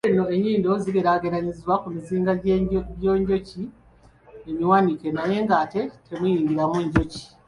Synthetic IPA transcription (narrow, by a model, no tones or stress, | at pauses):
eno̞eɲiːndo̞ziβiɾaɡeɾaɲiziwakumiziːŋɡaɟoːɲɟo̞ci | emiwanikenaje̞ːŋɡaːte̞tʰe̞mujiːŋɡiɾamueɲɟoci̥